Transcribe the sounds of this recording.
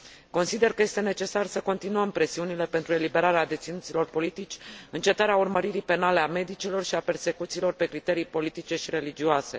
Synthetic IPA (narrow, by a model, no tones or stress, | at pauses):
ko̞nsid̪e̞rkəje̞st̪ene̞t͡ʃe̞sarsəko̞nt̪inuəmpɾe̞siunile̞pe̞nt̪ɾue̞libe̞ɾaɾead̪e̞t̪sinut̪silo̞rpo̞lit̪it͡ʃʲɨnt͡ʃe̞t̪aɾeaurməɾiɾipe̞nale̞ame̞d̪it͡ʃilo̞rʃiape̞rse̞kut̪siːlo̞rpe̞kɾit̪e̞ɾijpo̞lit̪it͡ʃe̞ʃiɾe̞lid͡ʒioase̞